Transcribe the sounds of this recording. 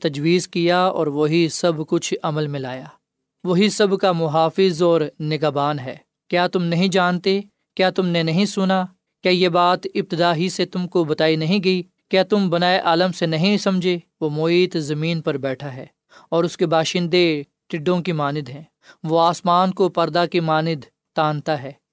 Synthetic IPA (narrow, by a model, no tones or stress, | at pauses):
t̪ɐd͡ʒwiːzkijaɔ̰ːɾʋoɦisɐbkʊt͡ʃʰɐməlmɪ̃laːjaː | ʋoɦisɐbkamʊɦaːfɪzɔːɾnɪɡabaːnɦɛ̰ː | kjaːt̪ʊmnɐɦĩd͡ʒaːnt̪e | kjaːt̪ʊmnenɐɦĩsʊna | kjaːjebaːt̪ɪb̚t̪ɪd̪aːɦiset̪ʊmkobɐt̪aːinɐɦĩɡɐi | kjaːt̪ʊmbɐnaːeʔaːləmsenɐɦĩsɐ̃md͡ʒʱe | ʋomoiːt̪zɐmĩːnpɐɾbɛːʈʰaɦɛ̰ː | ɔːɾʊskebaːʃɪ̃nd̪e | ʈɪɖːõkimaːnɪd̪ɦɛ̃ː | ʋoaːsmaːnkopɐɾd̪akimaːnɪd̪ | t̪ãːnt̪aɦɛː